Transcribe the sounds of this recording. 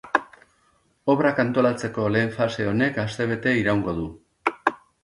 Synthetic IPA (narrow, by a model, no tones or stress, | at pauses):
o̞βɾakant̪o̞lat͡se̞ko̞le̞ːɱfase̞o̞ne̞kast̪e̞β̞e̞t̪e̞iɾawŋɡo̞ðu